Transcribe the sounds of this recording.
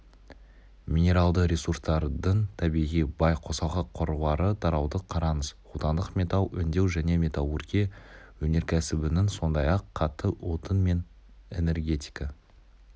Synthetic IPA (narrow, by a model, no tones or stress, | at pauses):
mʲinʲe̞ɾɑlˠd̪əɾʲe̞surst̪ɑɾd̪əɴt̪ʰæbijʁijbɑjqʰo̞sɑlˠʁɑqʰoɾuvɑɾəd̪ʰɑɾɑwd̪əqʰɑɾɑnəz | ut̪ɑnd̪əqmʲe̞t̪alˠʏ̰nd̪e̞wʒæne̞mʲe̞t̪awˠurkʲewɵne̞ɾkʲʰæsɪbɪnɪŋso̞nd̪ɑjɑqʰːɑt̪ːəwo̞t̪ənme̞n | e̞̰ne̞rɡʲe̞t̪ʲi̥jkɑ